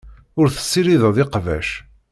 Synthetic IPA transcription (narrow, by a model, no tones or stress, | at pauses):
ʊɾθə̥sːiɾiðəðˤɪqvæ̰ʃ